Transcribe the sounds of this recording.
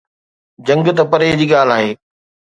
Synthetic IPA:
d͡ʑɐ̃ŋɡt̪ɐpɐɾeːd͡ʑiːɠaːl̤aːɦeː

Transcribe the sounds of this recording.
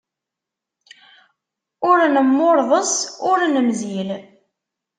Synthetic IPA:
ʊɾnəmːoɾˤðˤəsʊɾnəmzil

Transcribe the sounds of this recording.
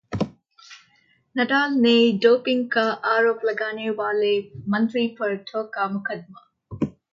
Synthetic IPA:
nɐɖaːlneɖoːpiŋɡkaʔaːɾoːplɐɡaːnewaːlemɐnt̪ɾiːpɐɾtʰoːkamʊkɐd̪ma

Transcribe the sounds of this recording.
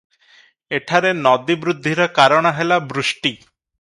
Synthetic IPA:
eʈʰaɾenɔd̪ibɾud̪ʱːiɾɔkaɾoɽ̃aɦelabɾuʃʈi

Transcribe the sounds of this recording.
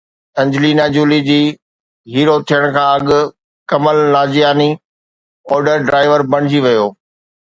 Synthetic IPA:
ɐ̃ɲd͡ʑlinaːd͡ʑuːlid͡ʑiː | ɦiːɾot̪ʰijəɽ̃kʰãːɐɠʊ̆ | kɐməlnaːd͡ʑɪjaːni | ɔːɾɖəɾɖɾaːɪʋəɾbɐɽ̃ɪd͡ʑiʋɐjoː

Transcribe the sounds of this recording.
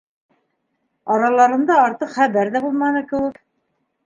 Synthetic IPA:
ɑɾɑlˠɑɾɤ̆nd̪ɑɑɾt̪ɤqχæβæɾðæbulˠmɑnɤkɘ̆wɘk

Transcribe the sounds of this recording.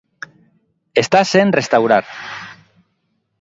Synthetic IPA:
est̪asenrest̪awɾaɾ

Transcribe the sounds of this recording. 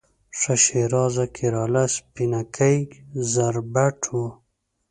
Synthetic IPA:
ʂaʃeɾɑːzakʰiɾɑːlaspinakʰajɡzaɾbaʈʰu

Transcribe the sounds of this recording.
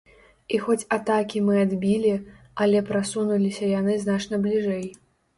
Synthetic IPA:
ixɔt͡sʲat̪akʲimɨad̪bʲilʲi | ɐlʲɛpɾasunulʲisʲɐjanɨznat͡ʂnɐblʲiʐɛj

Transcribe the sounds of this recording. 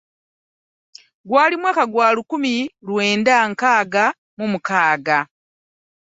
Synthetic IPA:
ɡwaːlimwaːkaɡwaːlukumilwe̞ːndaŋkaːɡa | mumukaːɡa

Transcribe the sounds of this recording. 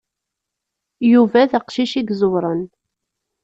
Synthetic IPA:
juvæðæqʃiʃiɡzəwɾˤən

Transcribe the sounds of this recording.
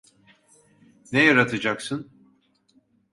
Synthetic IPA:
nejaɾat̪ʰɯd͡ʒaksɯn

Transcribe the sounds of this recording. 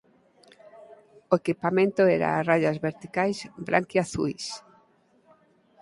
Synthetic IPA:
oekipamẽnt̪ʊɛɾa̰ːraʎazβeɾt̪ikajsbɾʔa̰ŋkjaθṵis

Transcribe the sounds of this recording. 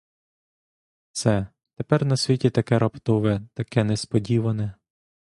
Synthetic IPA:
t̪sɛ | t̪epɛrnɐsʲʋʲitʲit̪ɐkɛɾɐpt̪ɔʋɛt̪ɐkɛnespɔdʲiʋɐnɛ

